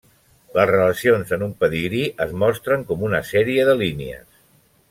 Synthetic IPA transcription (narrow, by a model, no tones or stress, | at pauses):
ləzrələsionzənumpəðiɣɾiʔəzmɔst̪ɾəŋkɔmunəsɛɾiəðəliniə̰s